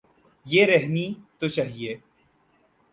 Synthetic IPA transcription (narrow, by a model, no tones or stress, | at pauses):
jeːɾɛɦnit̪ot͡ʃaːɦieː